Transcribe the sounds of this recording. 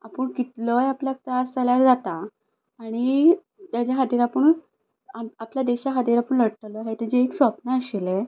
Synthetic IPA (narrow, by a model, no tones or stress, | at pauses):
apəɳkit̪ləjapljak̚t̪ɾasd͡zaljaɾd͡zat̪aː | ɽ̃i | t̪jat͡ɕjaɦad̪iɾapəɳ | aapljad̪eɕaɦad̪iɾapəɳləɽʈ̪əlɦet̪ed͡ʑeːksʋɔpnaəɕile